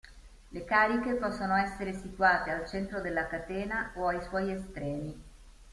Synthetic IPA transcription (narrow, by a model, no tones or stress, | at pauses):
lekaːɾikepɔsːonoɛsːeɾesit̪waːt̪ealt͡ʃɛnt̪ɾod̪elːakat̪ɛːnaoajswɔjest̪ɾɛːmi